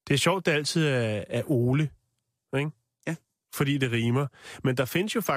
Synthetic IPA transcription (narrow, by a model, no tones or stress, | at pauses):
d̥e̝æɐɕɒʊ̰d̥ːeæl̰t͡sʰið̞̰ˠææɐʔo̝ːlə | eɡ̥ | fɒ̽d̥ḭːd̥e̝ʁiːmɐmend̥ɑ̈fe̝nəsjo̝fɑ̈